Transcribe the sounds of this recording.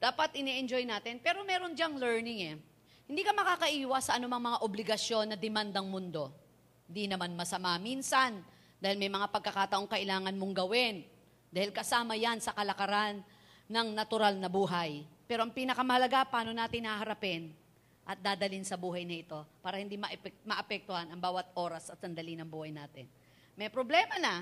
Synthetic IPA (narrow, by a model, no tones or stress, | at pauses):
d̪̥aːpɐt̪̚ʔɪnɛʔɛnd͡ʒojnaːt̪ɪnpɛːɾo̞mɛːɾo̞nd͡ʒaŋlɛɹnɪŋɛ | hɪnd̪iːkɐmɐkaːkɐʔiːwɐsɐʔɐnʊmɐŋmɐŋaʔoblɪɡɐsjo̞nːɐd̪ɪmand̪ɐŋmʊnd̪o̞ | hnd̪inɐmanmɐsɐmaminsɐn | d̪aːhɪlmɐjmɐŋapɐɡ̚kɐkaːt̪ɐʔo̞ŋkɐʔɪlaːŋɐnmoŋɡɐwɪn | d̪aːhɪlkɐsaːmɐjansɐkɐlɐkɐɾanː | ɐŋnɐt̪ʊɾalnɐbuːɦajpɛːɾoʔɐŋpiːnɐkɐmɐhɐlɐɡapaːno̞naːt̪ɪŋːɐhaɦɐɾɐpɛn | ʔɐt̪̚d̪aːd̪ɐlinsɐbuːɦɐjnɐʔɪt̪o̞paːɾɐhɪnd̪imɐʔpɛmɐʔɐpɛk̚t̪ʊhanɐŋbaːwɐt̪̚ʔo̞ːɾɐsʔɐt̪sɐnd̪ɐlinɐŋbuːhɐjnaːt̪ɪn | mɐjpɾoblɛːmɐnɐ